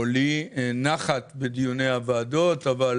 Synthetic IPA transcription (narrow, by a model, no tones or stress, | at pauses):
olinaχat̪bed̪ijune̞javaːd̪o̞t̪aval